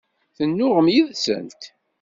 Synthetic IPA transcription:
θənːʊʁəmjiðsə̰nt̪

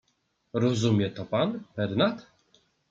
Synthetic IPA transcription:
ɾɔzumʲjɛt̪ɔpanbɛɾnat̪

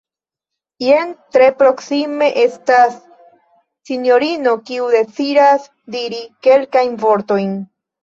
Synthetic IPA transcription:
jentɾe̞pɾo̞ksime̞ʔe̞stasː | injo̞ɾino̞kiude̞t͡siɾas | diɾike̞lkajnvo̞ɾto̞jn

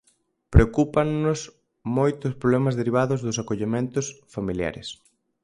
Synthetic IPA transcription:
pɾeokupaŋnʊs | mojt̪ʊspɾoβlɛmɐzðeɾiβ̞aðʊzðʊsakoʎemẽnt̪ʊsfamilja̰ɾɪ̰s

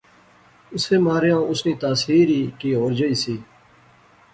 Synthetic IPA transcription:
ʊseːmaːɾjãːʊsniːt̪aːsiːɾiːkiːɦoːɾd͡ʒəiːsiː

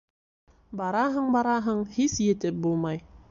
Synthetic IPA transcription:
bɑɾɑɦɤɴbɑɾɑɦɤɴhisjɘ̆t̪ɘp̚bulˠmɑj

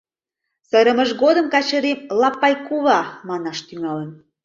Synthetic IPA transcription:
səɾə̆məʒɣod̪əmkɑt͡ɕəɾemlɑpːɑjkuβɑmɑnɑʃt̪yŋɑlən

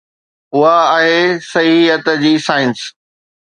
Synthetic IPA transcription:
ʊɦaːɦesɐɦiɦət̪d͡ʑiːsaːɪns

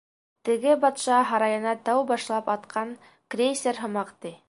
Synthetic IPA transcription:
t̪ɘ̆ɡɘbɑt̪ʃɑɦɑɾɑjɤ̆nɑt̪æwbɑʃlˠɑpɑt̪qʰɑn | krʲesʲeɾɦŏmɑqt̪i

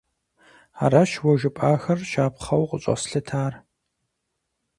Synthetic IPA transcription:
a̰ːɾaʃwɔʒɨpʼaːxɐrʃaːpχɐwqʼəɕʼɐ̰sɬɨtʰaːr

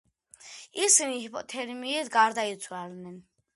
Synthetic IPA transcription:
isiniɔt̪ʰɛɾmiːd̪ɡaɾd̪ait̪sʰwaɾnɛn

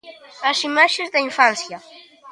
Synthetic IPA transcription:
asimaʃezd̪eiɱfansja

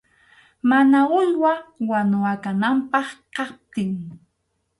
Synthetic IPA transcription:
manaʊʎwawanʊwakanampɑχqɑp̚t̪ɪŋ

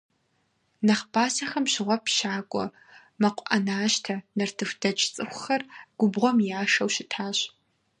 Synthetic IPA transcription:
nɐχb̥aːsɐxɐmʃɪʁʷɔpʰʃaːkʷʼɔ̰ | mɐqʷʼʔɐnaːʃtʰɐnɐrtʰɨfdɐt͡ʃʼt͡sʼɨxʷʊxɐrɡ̥ʷʊbʁʷɔmjaːʂɐwʃɪtʰaːɕ

